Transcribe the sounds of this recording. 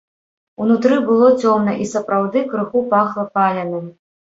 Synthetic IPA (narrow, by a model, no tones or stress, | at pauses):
unut̪ɾɨbɨlˠɔt͡sʲɔmnɐʔisɐpɾawd̪ɨkɾɨxupaxlˠɐpalʲɐnɨm